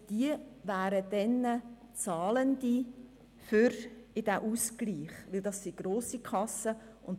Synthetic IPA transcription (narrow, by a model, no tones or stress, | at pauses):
d̥iəʋæːɾəd̥ɛnə | t͡sɑːləndi | fʏɾɪd̥æʔuːskliːχʋɪldɑsːiɡ̥ɾoːsikʰɑsə | ʊnt